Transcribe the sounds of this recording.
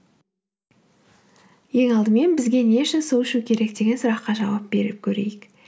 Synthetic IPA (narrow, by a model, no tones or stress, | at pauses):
je̞ŋɑlˠd̪əme̞nbɪzɡʲe̞ne̞ʃɪnsuwɪʃukʲʰe̞ɾe̞kd̪e̞ɡʲe̞nsʊɾɑqːɑʒɑwɑp̚b̥e̞ɾɪp̚kʲʰɵɾe̞̰jɪk